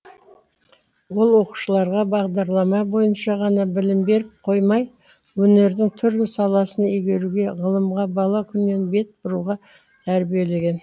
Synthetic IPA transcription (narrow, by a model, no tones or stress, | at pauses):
wo̞lˠwo̞qu̥ʃəlˠɑɾʁɑbɑʁd̪ɑɾlˠɑmɑbo̞jənʃɑʁɑnɑbɪlɪmbe̞ɾɪp̚qʰo̞jmɑj | wɵne̞ɾd̪ɪŋt̪ʰʏɾlɪsɑlˠɑsənʏjɡʲe̞ɾuɡʲe̞ʁəlˠəmʁɑbɑlˠɑkʲʰʏnːe̞nbe̞t̪̚bʊɾuʁɑ | t̪ʰæɾbije̞le̞ɡʲe̞n